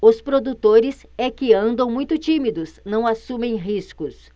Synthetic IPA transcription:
ʊspɾod̪ut̪oɾɪs | ɛkɪɐ̃nd̪ɐ̃w̃mũj̃t̪ʊt͡ʃimid̪ʊsnɐ̃w̃asũmẽj̃ɦiskʊs

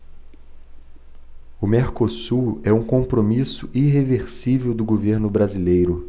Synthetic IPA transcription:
ʊmeɾkosuɛũkõpɾomisʊʔiɦeveɾsivewd̪ʊɡoveɾnʊbɾazilejɾʊ

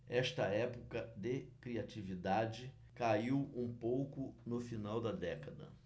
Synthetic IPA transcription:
ɛʃt̪ɐɛpokɐd̪ɪkɾiat͡ʃivid̪ad͡ʒɪ | kaiwũpowkʊnʊfinawd̪ɐd̪ɛkɐd̪ɐ̰

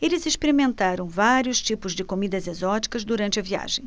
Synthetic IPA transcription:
elɪziʃpeɾimẽnt̪aɾɐ̃w̃vaɾjʊʃt͡ʃipʊzd͡ʒɪkomid̪ɐzezɔt͡ʃi̥kɐzd̪uɾɐ̃nt͡ʃɪɐvia̰ʒẽj̃

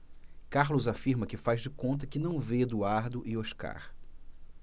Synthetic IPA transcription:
kaɾlʊzafiɾmɐkɪfazd͡ʒɪkõnt̪̬ɐkɪnɐ̃w̃ved̪uaɾd̪ʊʔɪoʃka̰ɾ

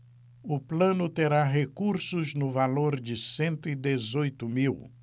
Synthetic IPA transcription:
ʊplɐ̃nʊt̪eɾaɦekuɾsʊznʊvaloɾd͡ʒɪsẽnt̪ʊid̪ezojt̪ʊmiw

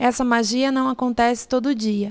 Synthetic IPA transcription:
ɛsɐmaʒiɐnɐ̃w̃akõnt̪ɛsɪ̥t̪od̪ʊʊd͡ʒiɐ

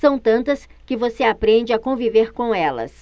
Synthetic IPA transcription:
sɐ̃w̃t̪ɐ̃nt̪ɐskɪvoseapɾẽnd͡ʒɪakõviveɾkõɛlɐ̰s

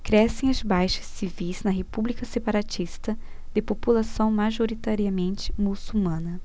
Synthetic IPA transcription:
kɾɛsẽj̃ɐzbajʃɐ̥sːivijz̥nɐɦepublikɐsepaɾat͡ʃist̪ɐ | d̪̥ɪpopulasɐ̃w̃maʒoɾit̪aɾiɐmẽnt͡ʃɪmusuwmɐ̃nɐ

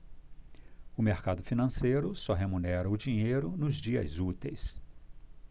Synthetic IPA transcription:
ʊmeɾkad̪ʊfinɐ̃sejɾʊsɔɦemunɛɾɐʊd͡ʒĩɲejɾʊnʊzd͡ʒiɐ̰zut̪ejs

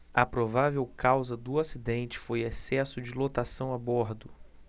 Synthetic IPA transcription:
ɐpɾovavewkʰawzɐd̪ʊasid̪ẽnt͡ʃɪ̥fojesɛsʊd͡ʒɪlot̪asɐ̃w̃abɔɾd̪ʊ

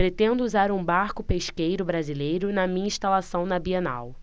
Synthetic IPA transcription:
pɾet̪ẽnd̪ʊuzaɾũbaɾkʊpeʃkejɾʊbɾazilejɾʊnɐmĩɲɐĩʃt̪alasɐ̃w̃nɐbiɐna̰w

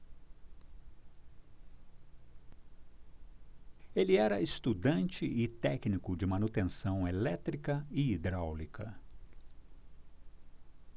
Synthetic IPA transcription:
eliɛɾɐest̪ud̪ɐ̃nt͡ʃɪɪt̪ɛknikʊd͡ʒɪmɐnut̪ẽsɐ̃w̃elɛt̪ɾikɐɪid̪ɾawlikʰɐ

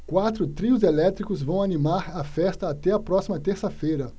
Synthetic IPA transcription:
kwat̪ɾʊt̪ɾiʊzelɛt̪ɾikʊzvɐ̃w̃animaɾɐfɛst̪ɐːt̪ɛɐpɾɔsimɐt̪eɾsɐfejɾɐ

